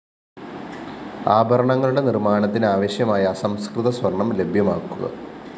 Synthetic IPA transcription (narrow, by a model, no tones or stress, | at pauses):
aːbʱɐɾɐɳɐŋːɐɭuɽe̞nirmaːɳɐt̪ːinaːʋɐɕjɐmaːjɐːsɐmskrɨðɐswɐrɳɐmle̞bʱjɐmaːkːuɣɐ̰